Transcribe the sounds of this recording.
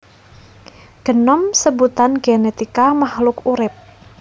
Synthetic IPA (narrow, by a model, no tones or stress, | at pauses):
ɡ̥ə̤nɔmsəbut̪anɡenet̪ikamahlʊkuɾɪp̚